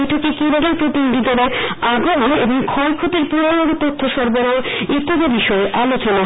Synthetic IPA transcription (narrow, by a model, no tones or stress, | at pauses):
jʈʰokekibaɡeɾpɾot̪inɡ̪id̪aɾaɾaɡoneboŋkʰɔjkʰot̪eɾpuɾanoɾt̪ot̪ʰːoʃɔɾboɾait̪ːoɡabiʃɔeʔalot͡ɕona